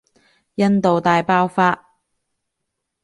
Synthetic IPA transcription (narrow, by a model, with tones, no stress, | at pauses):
jɐ˥nt̪o˨wt̪aː˨jpaː˥wfaː˧